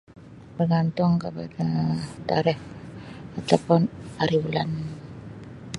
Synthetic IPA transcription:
bərɡant̪ʊŋkəpadat̪aɾɛh | at̪apʊnaɾiwulan

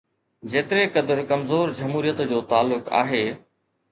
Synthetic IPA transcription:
d͡ʑeːt̪ɪɾekɐd̪əɾkɐmzoːɾd͡ʑɐmɦuːɾijət̪d͡ʑoːt̪aːlːʊka̰ːɦeː

